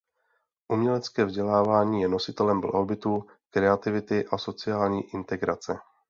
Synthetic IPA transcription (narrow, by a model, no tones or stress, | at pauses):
ʔumɲɛlɛt͡skɛːvzɟɛlaːvaːɲiːjɛno̞sɪt̪ɛlɛmvla̰ɦobɪt̪u | kɾɛat̪ɪvɪt̪ɪʔaso̞t͡sɪaːlɲiːʔɪnt̪ɛɡɾat͡sɛ